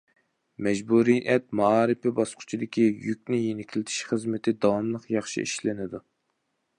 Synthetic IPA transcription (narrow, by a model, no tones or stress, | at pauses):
mɛd͡ʒbuɾijjɛt̪̚mɑːɾɨpɪbɑsqʰʊ̥t͡ʃʰid̪ɪkʲijykʲnɪjenɪkʲʰlɪt̪ʰɪ̥ʃχəzmɪt̪ʰɪd̪ɑwɑmlˠəqjɑχʃḭiʃlɪnɪd̪u